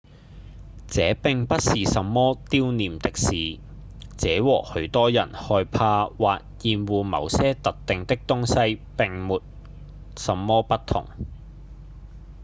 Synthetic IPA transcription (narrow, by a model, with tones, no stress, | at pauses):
t͡sɛː˨˥pɪ˨ŋpɐ˥t̚siː˨sɐ˨˧mːɔː˥t̪iː˥wniː˨mt̪ɪ˥k̚siː˨˩ | t͡sɛː˨˥wɔː˨˩hɵ˨˥ɥt̪ɔː˥jɐ̰˨˩nhɔː˧jpʰaː˧waː˨t̚jiː˨˧nwuː˨˧mɐ̰˨˧wsɛː˥t̪ɐ˨t̚t̪ɪ˨ŋt̪ɪ˥k̚t̪ʊ˥ŋsɐ˥jpɪ˨ŋmuː˨t̚ | sɐ˨˧mːɔː˥pɐ˥t̪ʰʊ̰˨˩ŋ